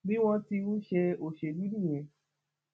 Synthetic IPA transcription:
bĩ˦w̃ɔ̃˧ti˧ɾũ˦ʃe˧o˨ʃe˨bi˦nĩ˦˨j̃ɛ̃˨

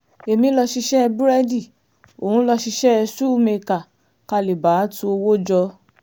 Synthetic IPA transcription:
e˨mĩ˧˦lɔ˧ʃi˧ʃɛ˦˧bu˦ɾa˧di˦˨ | o˨hũ˧˦lɔ˧ʃi˧ʃɛ˦˧su˦me˧ka˨ | ka˧˨le˨ba˨˦tu˧o˧wo˦d͡ʒɔ˧

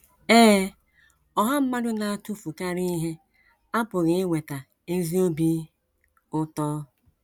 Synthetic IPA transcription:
eː˦ | ɔ˦ɦa˦m̩˦ma˦ɾʊ˦na˨a˦˨tu˦fu˨ka˦ɾi˦i˦ɦe˦ | a˦pʊ˨ɣɪ˨ɪ˦wʷe˨ta˨ | e˦zi˦o˦bi˦ | ʊ˦tɔː˦

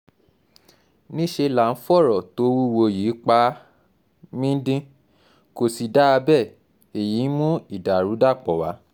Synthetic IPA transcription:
nĩ˦ʃe˧la˨n̩˦fɔ˦˨ɾɔ˨to˨˦wu˦wo˧jiː˨˦k͡pa˦ | mĩ˦n̩˦dĩ˦ | ko˨si˨da˦a˧bɛ˦˨ | e˨ji˨˦n˦mũ˦i˦˨da˨ɾu˨˦da˦˨k͡pɔ˨wa˨˦

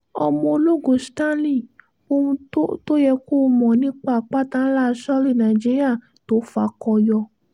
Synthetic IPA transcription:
ɔ˧mɔ̃˧o˧lo˦ɡõ˨stã˦lĩ˦˨ | o˧ũ˧o˦to˦jɛ˧ko˦˨˧mɔ̃˨nĩ˦k͡pa˦˨k͡pa˦tã˦la˦˨˧ʃɔ˦li˦˨nã˨d͡ʒi˦ɾi˦a˦˨ | to˨˦fa˧˦kɔ˧jɔ˧

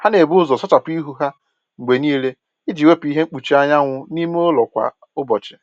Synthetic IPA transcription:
ha˦ne˨bʊ˦zɔ˨sɔ˦t͡ʃa˨pʊ˦i˦ɦu˦ɦa˦ | ŋ͡m̩˨ɡ͡be˨niː˦le˦ | i˦d͡ʒi˨we˦pi˦ɦe˦ŋ͡m̩˦k͡pu˨t͡ʃi˦a˦ɲa˦ŋʷʊ˦ni˦m˦o˦lɔ˨kʷa̰˨ | ʊ˦bɔ˨t͡ʃɪ˨

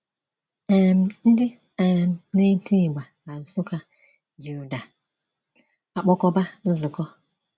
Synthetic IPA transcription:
e˨m̩˨n̩˦dɪ˦ | e˨m̩˨ne˦ti˦˨ɡ͡ba˨ | a˨zʊ˦ka˦ | d͡ʒu˨˦˨da˨ | a˨k͡pɔ˦kɔ˦ba˦n̩˦zʊ˨kɔ˦

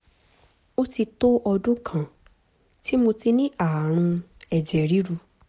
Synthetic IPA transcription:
o˦ti˧to˦ʔɔ˧dũ˦kʰã˦˨ | tʰi˦mo˧ti˧nĩ˦ʔa˦˨ɾ̃ũ˧ɛ˨d͡ʒɛ˨ɾi˨˦ɾu˧

